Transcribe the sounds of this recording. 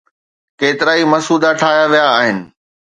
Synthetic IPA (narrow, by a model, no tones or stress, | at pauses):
keːt̪ɪɾaːimɐsuːd̪aʈʰaːɦjaʋijaːɦɪnɪ̆